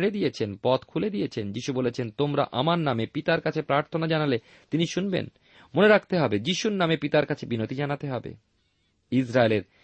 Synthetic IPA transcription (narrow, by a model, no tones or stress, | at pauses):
ɽed̪ijet͡ɕʰenpɔt̪kʰuled̪ijet͡ɕʰend͡ʑiʃubolet͡ɕʰent̪omɾa̰ʔamaɾnamepit̪aɾkat͡ɕʰepɾaɾt̪ʰonad͡ʑanale | t̪iniʃunbḛn | moneɾak̚ʰt̪eɦɔbed͡ʑiʃuɾnamepit̪aɾkat͡ɕʰebinot̪id͡ʑanat̪eɦɔbḛ | isɾaeleɾ